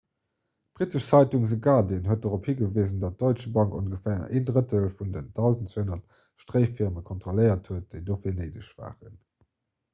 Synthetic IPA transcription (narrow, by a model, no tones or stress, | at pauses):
b̥ʁitəʃt͡sɑɪtuŋzəɡɑːdiənɦuət̚doʁophiɡəveːzəndɑt̚d̥ɔɪt͡ʃəbɑŋkonɡəfɛːɐʔḛːndʁətəlfundəndɑʊzəntt͡seɦunɐt | ʃtʁɜɪfiɐməkʰɔntʁ̥oləɪɐtʰhuət̚d̥əɪdoːfiːɐnəɪdəʃv̥a̰ːʁə̰n